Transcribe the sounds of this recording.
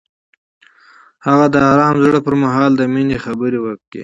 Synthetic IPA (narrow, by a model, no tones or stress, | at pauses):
haɣad̪əaɾɑmzɽəpəɾmaɦɑld̪əminexabəɾewəkḛ